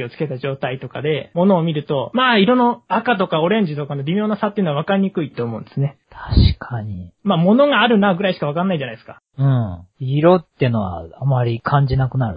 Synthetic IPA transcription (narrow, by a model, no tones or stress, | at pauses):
io̞t͡sɨ̥ke̞t̪aʑo̞ːt̪ait̪o̞ka̰d̪e̞mo̞no̞ːmʲiɾɯ̟t̪o̞maːiɾo̞nːoakat̪o̞kao̞ɾẽ̞ɲ̟d͡ʑit̪o̞kano̞ɾʲimʲo̞ːnasat̪ːeiɯ̟noaβakaɾʲɲ̟ikɯ̟it̪o̞ːmo̞ɯ̃nd̪esɨne̞t̪ʰḁɕi̥kʰaɲimaːmo̞no̞ɡaːɾɯ̟naɡɯ̟ɾaiɕi̥kaβakanːaid͡ʑanaid̪eska | ɯ̟̃ɴiɾot̪ːeɯ̟no̞βa̰amaɾʲikʰãɲ̟d͡ʑinakɯ̟naɾɯ